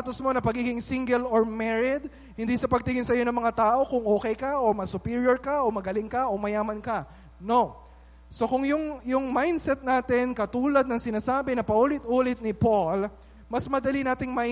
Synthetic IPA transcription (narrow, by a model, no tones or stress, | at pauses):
at̪osmo̞nɐpɐɡiːɡɪŋsiŋɡɛloɹmɛɹɪd̪ | hɪnd̪isɐpɐɡ̚t̪ɪŋɪnsɐjo̞nɐŋmɐŋat̪aːʔo̞kʊŋʔoːkɛjkɐʔomɐsʊpiːɹjoɹkɐʔomɐɡɐlɪŋkɐʔo̞mɐjaːmɐnkɐ | no̞ | so̞kʊŋjʊŋjʊŋmajnsɛt̪̚naːt̪ɪnkɐt̪uːlɐd̪̚nɐŋsɪnaːsaːbɪnɐpɐʔuːlɪt̪ʔuːlɪt̪̚nɪpol | mɐsmɐd̪ɐlinaːt̪ɪŋma